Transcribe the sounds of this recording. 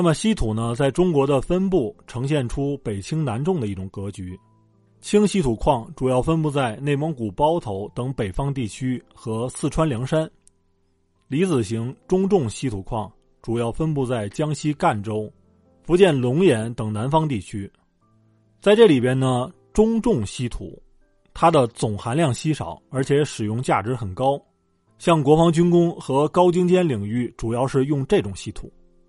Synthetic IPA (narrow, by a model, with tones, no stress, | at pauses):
na˥˩mə˩ɕi˥t̪ʰu˨˩nə˦t͡sa˥˩ɪʈ͡ʂʊ˥ŋkwɔ˧˥d̪ə˧fə˥npu˥˩ʈ͡ʂʰɤ˧˥ŋɕ̬jɛ˥˩nʈ͡ʂʰu˥pe˨˩ɪt͡ɕʰi˥ŋna˧˥nʈ͡ʂʊ˥˩ŋd̪ə˩i˥˩ʈ͡ʂʊ˨˩ŋkɤ˧˥t͡ɕy˧˥ | t͡ɕʰi˥ŋɕi˥t̪ʰu˨˩kʰwɑ˥˩ŋʈ͡ʂu˨˩jɑ˥˩ʊfə˥np̬u˥˧t͡sa˥˧ɪne˥˩ɪmɤ˧˥ŋku˨˩pɑ˥ʊt̪ʰo˧˥ʊt̪ɤ˧˥ŋpe˨˩ɪfɑ˥ŋt̪̬i˥˩t͡ɕʰy˥xɤ˧˥sɹ̩˥˩ʈ͡ʂʰwa˥nljɑ˧˥ŋʂa˥n | li˧˥t͡sɹ̩˨˩ɕi˧˥ŋʈ͡ʂʊ˥ŋʈ͡ʂʊ˥˩ŋɕi˥t̪ʰu˨˩kʰwɑ˥˩ŋ | ʈ͡ʂu˨˩jɑ˥˩ʊfə˥npu˥˧t͡sa˥˩ɪt͡ɕjɑ˥ŋɕi˥ka˥˩nʈ͡ʂo˥ʊ | fu˧˥t͡ɕjɛ˥˩nlʊ˧˥ŋjɛ˧˥nt̪ɤ˨˩ŋna˧˥nfɑ˥ŋt̪̬i˥˩t͡ɕʰy˥ | t͡sa˥˧ɪʈ͡ʂɤ˥˩li˨˩pjɛ˥nnə˨ | ʈ͡ʂʊ˥ŋʈ͡ʂʊ˥˩ŋɕi˥t̪ʰṵ˨˧˩ | t̪ʰa˥d̪ə˨t͡sʊ˨˩ŋxa˧˥nljɑ˥˩ŋɕi˥ʂɑ̰˨˩˦ʊə˞˧˥t͡ɕʰjɛ˧˥ʂɻ̩˨˩jʊ˥˧ŋt͡ɕja˥˩ʈ͡ʂɻ̩˧˥xə˨˩nkɑ˥ʊ | ɕjɑ˥˩ŋkwɔ˧˥fɑ˧˥ŋt͡ɕy˥nkʊ˥ŋxɤ˧˥kɑ˥ʊt͡ɕi˥ŋt͡ɕjɛ˥nli˨˩ŋy˥˩ʈ͡ʂu˨˩jɑ˥˧ʊʂɻ̩˥˧jʊ˥˧ŋʈ͡ʂe˥˩ʈ͡ʂʊ˨˩ŋɕi˥t̪ʰṵ˨˩˦